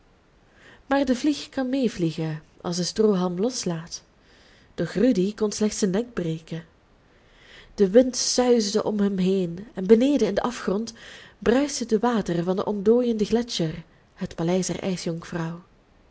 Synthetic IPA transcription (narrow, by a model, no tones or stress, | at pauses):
maːrdəvlixkɑnmejvliɣə | ʔɑ̰lˠsdəstroːɦɑlˠmlɔslaːt | d̥ɔxrydikɔnslɛχtsənːɛɡ̚breːkən | d̥əʋɪntsœɥzdəʔɔmɦəmɦejnɛnbənejdəɪndəʔɑfχrɔntbrœɥsədəʋaːtərvɑndə̰ʔɔndoːjəndəxlɛt͡ʃər | hətpalɛjsdɛ̰rʔɛ̰jsjɔŋfrɑw